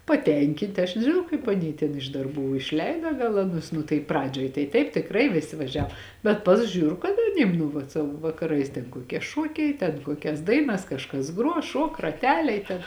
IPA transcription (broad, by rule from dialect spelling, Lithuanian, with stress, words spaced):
pɐˈtʲɛŋʲkʲɪnʲtʲ ɐʃ nʲɛʒʲɪˈnɐʊ kɐɪp ɐˈnʲiː tʲɛn ɪʃ dɐrˈbuː ɪʃʲˈlʲɛɪdɐ ɡɐlˠ ɐˈnʊs nʊ tɐɪ ˈprɑːd͡ʒʲoːj tɐɪ ˈtɐɪp tʲɪkˈrɐɪ ʋʲɪˈsʲɪ ʋɐˈʒʲɛw bʲɛt ˈpɐs ˈʒʲuːr kɐt ɐˈnʲiːm nʊ ʋɐt ˈsɑːʋoː ʋɐkɐˈrɐɪs tʲɛn kuɔˈkʲiɛ ˈʃuɔkʲɛɪ tʲɛn ˈkuɔkʲɛs ˈdɐɪnɐs kɐʃˈkɐs ˈɡruɔ ˈʃuɔk rɐˈtʲæːlʲɛɪ tʲɛn